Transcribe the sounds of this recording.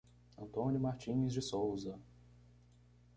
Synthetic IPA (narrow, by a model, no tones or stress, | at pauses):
ɐ̃nt̪õnjʊmaɾt͡ʃĩɲɪzd͡ʒɪsowzɐ